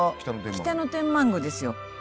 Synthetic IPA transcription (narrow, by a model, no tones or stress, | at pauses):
kt̪anot̪ẽkʲi̥t̪anot̪ẽ̞mmãŋɡod̪e̞sɨjo